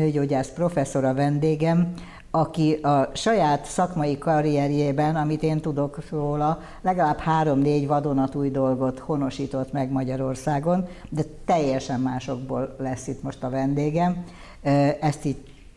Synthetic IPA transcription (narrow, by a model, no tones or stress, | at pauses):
øːɟoːɟaːspro̞fɛsːo̞ɾɒvɛnd̪eːɡɛm | ɒkiɒʃɒjaːt̪sɒkmɒjikɒɾijɛɾjeːbɛnɒmit̪eːnt̪ud̪o̞kroːlɒ | lɛɡɒlaːbhaːɾo̞mneːɟʋɒd̪onɒt̪uːjd̪o̞lɡo̞t̪ho̞no̞ʃiːt̪o̞t̪mɛɡmɒɟɒɾo̞rsaːɡo̞nd̪ɛt̪ɛjːɛʃɛmːaːʃo̞ɡbo̰ːlːɛsːit̪mo̞ʃt̪ɒvɛnd̪eːɡɛm | ɛst̪iːɟ